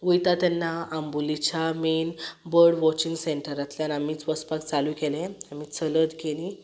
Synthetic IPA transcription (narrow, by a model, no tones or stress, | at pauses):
ʋəjt̪at̪ɛnːaambulit͡ɕamenbəɾɖʋɔt͡ɕĩŋɡseɳʈəɾat̪ljanamiːt͡sʋəspakt͡salũkɛlɛ̃am̤it͡sələd̪ɡelĩ